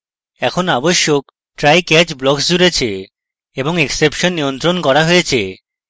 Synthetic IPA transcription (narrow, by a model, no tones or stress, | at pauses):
ɛkʰonaboʃːok̚ | ʈɾajkɛt͡ɕblɔksd͡ʑuɾet͡ɕʰe | eboŋeksepʃonːijont̪ɾonkɔɾaɦojet͡ɕʰe